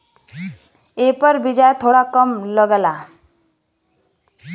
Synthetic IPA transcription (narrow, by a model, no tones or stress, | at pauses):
epəɾbid͡ʑajt̪ʰoɽakəmləɡla